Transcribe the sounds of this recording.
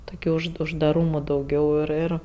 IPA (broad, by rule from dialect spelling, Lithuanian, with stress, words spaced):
ˈtoːkʲɛ ʊʃ ʊʒdɐˈruːmoː dɐʊˈɡʲɛʊ ˈɪr ˈɪr